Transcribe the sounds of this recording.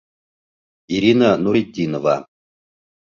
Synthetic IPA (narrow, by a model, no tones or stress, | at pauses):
iɾʲinanuɾidʲinova̰